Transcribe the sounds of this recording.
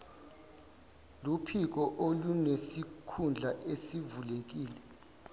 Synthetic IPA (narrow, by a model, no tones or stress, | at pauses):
lupʰik̬ɔʔolunesikʰund͡ɮʱaʔesivulek̬iːlɛ